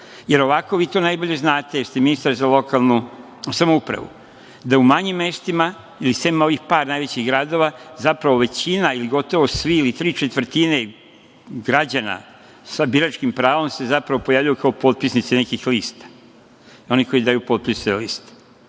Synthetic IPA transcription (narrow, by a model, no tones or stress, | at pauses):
je̞ɾo̞ʋako̞ʋiːt̪o̞najboʎe̞znaːt̪ejeɾst̪eminist̪aɾzalˠo̞kalˠnu | samoupɾa̰ʋṵ | d̪aumaɲimːe̞st̪ima | ilisemmao̞ʋixpaːɾnajʋe̞t͡ɕiɣɡɾaːd̪o̞ʋazapɾaʋo̞ʋe̞t͡ɕinailiɡo̞t̪o̞ʋo̞sʋiilit̪ɾiːt͡ʃet̪ʋr̩t̪ine | ɡɾad͡ʑana̰ | sabiɾat͡ʃkimpɾaːʋo̞mse̞zapɾaʋo̞pojaʋʎajukao̞po̞t̪̚pisnit̪sene̞kixliːst̪ḁ | o̞niko̞id̪ajupo̞ːt̪̚pisi̥t̪eliːst̪e̥